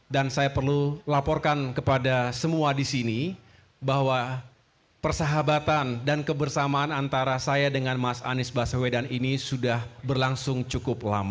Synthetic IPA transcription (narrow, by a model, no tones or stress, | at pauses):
dansajapərlulapɔrkankəpadasəmuadisini | baɦwa | pərsaɦabat̪andankəbərsamaːnant̪aɾasajadəŋanmasa̰nɪsbasawedaninisudahbərlaŋsʊŋt͡ʃukʊp̚lama